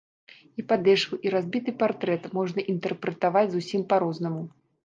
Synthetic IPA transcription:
ipad̪ɛʂkuʔiɾazʲbʲit̪ɨpart̪ɾɛt̪mɔʐnɐʔint̪ɛrpɾɨt̪avad͡zʲzusʲimpaɾɔznɐmu

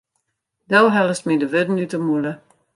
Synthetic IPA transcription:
dɛlɦɛləst̚midəʋødn̩ytəmulə

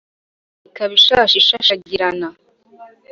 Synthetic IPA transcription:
ikaβiʃaːʃiʃaʃaɟiɾana

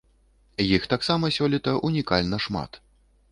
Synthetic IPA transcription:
jixt̪aksamɐsʲɔlʲit̪ɐʔunʲikalʲnɐʂma̰t̪

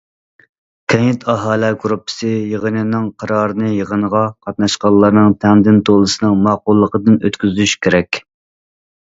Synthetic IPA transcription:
kʲʰɛjɪt̪ʰɑɦɑːlɛɡɾupʰːɨ̥sɨjəʁənɨnɨŋqʰɑɾɑːɾɨnɨjəʁənəʁɑqʰɑt̪̚nɑʃqɑlˠːɑɾnɨŋt̪ʰɛŋd̪ɪnt̪ʰolˠɨsɨnɨŋmɑːqʊlˠːəqəd̪ɨnøt̪kʲyzyʃkʲʰeɾɛkʲ

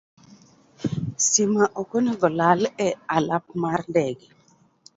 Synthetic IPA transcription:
simaʔɔkonɛɡɔlalɛalap̚mardɛɡɛ

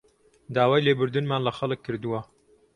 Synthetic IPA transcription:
d̪aːwaːjleːbɨɾd̪ɨnmaːnlɐxɐlɨkʰːɨɾd̪ɨwɐ

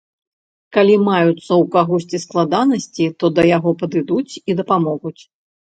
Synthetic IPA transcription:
kalʲimajut̪sːɐwkaɣɔsʲt͡sʲisklˠad̪anɐsʲt͡sʲit̪ɔd̪ɐjaɣɔpɐd̪ɨd̪ut͡sʲid̪ɐpamɔɣut͡sʲ

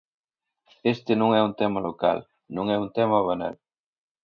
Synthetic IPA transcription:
est̪ɪnõŋɛunt̪ɛmɐloka̰l | nõŋɛunt̪ɛmɐβana̰l

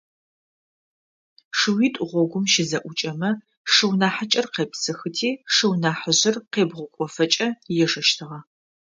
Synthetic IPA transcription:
ʂɨwiːtʼʊʁʷɔɡʷʊmʃɪzɐʔʷʊt͡ʃʼɐmɐ | ʂɨwnaːħɐt͡ʃʼɐrqeːpsɨxɨtʰiːʂɨwnaːħəʑɪrqeːbʁʷʊkʷʼɔfɐt͡ʃʼɐjɛʂɐʃtʰɨʁɐ

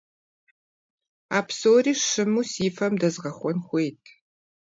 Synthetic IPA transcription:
aːpsoːriːʂɨmuːsiːfɐmdɐzʁɐχʷɔnxʷejtʰ

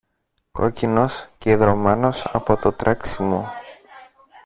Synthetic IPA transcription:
ko̞̰cino̞sceiðɾo̞meno̞sɐ̰po̞t̪o̞t̪ɾʔɐksimo

